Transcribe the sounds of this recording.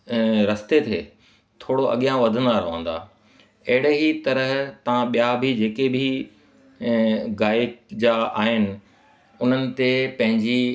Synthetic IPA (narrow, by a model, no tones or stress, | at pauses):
ɾɐst̪et̪ʰeː | t̪ʰoːɽoʔɐ̰ɠijãʋɐd̪ʱə̃n̆d̪aɾɐʋə̰̃n̆d̪a̰ː | ɐɦɪɽeɦit̪ɐɾəɦt̪ɐʋãɓijabʱid͡ʑeːkebʱi | ɡaːkd͡ʑaa̰ːɦɪnɪ̆ | ʊn̤ənɪ̆t̪epɐ̃ɦɪ̃ɲd͡ʑi